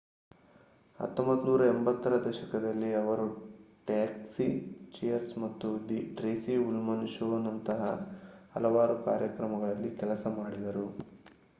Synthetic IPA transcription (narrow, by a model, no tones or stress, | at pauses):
hɐ̰t̪ːombɐt̪ːunuːɾɐembɐt̪ːɐɾɐd̪ɐʃɐkɐd̪ɐlːiɐʋɐɾu | ʈaːksit͡ʃijɐɾsmɐt̪ːud̪iʈɾeːsiulmɐnʃoːnːɐnt̪ɐɦɐ̰ | ɐ̰lɐʋaːɾuka̰ːɾjɐkɾɐmɐɡɐɭɐlːikɛlɐsɐmaːɽid̪ɐɾu